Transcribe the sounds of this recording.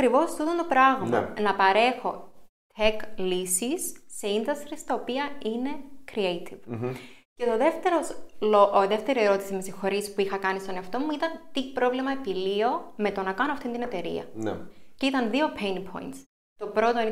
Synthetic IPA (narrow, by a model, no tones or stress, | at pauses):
kɾivo̞st̪ut̪ont̪o̞pɾɐɣmɐ̰nɐpɐɾe̞xo̞ | t̪ʰeklisisːeind̪ɐst̪ɾist̪ɐopiɐine̞kɾiejt̪ʰiv̥ | cet̪o̞ðe̞ft̪e̞ɾo̞sloʔðe̞ft̪e̞ɾie̞ɾo̞t̪isimesixo̞ɾispuixɐkɐnist̪o̞neɐft̪o̞muit̪ɐnt̪ipɾo̞vlimɐepilio̞me̞t̪o̞nɐkɐnoɐft̪ind̪ine̞t̪e̞ɾḭɐ̰n̰cit̪ɐnðio̞pʰejnpʰo̞̰jnt̪s | t̪o̞pɾo̞t̪o